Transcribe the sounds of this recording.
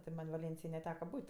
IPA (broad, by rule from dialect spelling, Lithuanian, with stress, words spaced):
tʲɪ ˈmɐnʲ ʋɐˈlʲeːnʲsʲɪjoːj nʲɛˈtʲæːkɐ ˈbuːtʲ